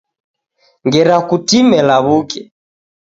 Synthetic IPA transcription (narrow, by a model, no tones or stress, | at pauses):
ŋɡɛɾakutimɛlaβukɛ